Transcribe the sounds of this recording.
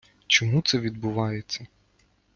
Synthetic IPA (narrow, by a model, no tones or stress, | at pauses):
t͡ʃɔmut̪sɛʋʲid̪bʊʋɑjet͡sʲːɐ